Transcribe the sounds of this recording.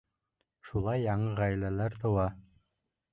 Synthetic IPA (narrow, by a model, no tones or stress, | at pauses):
ʃulˠɑjːɑɴɤʁæjlælæɾt̪ɤ̆wɑ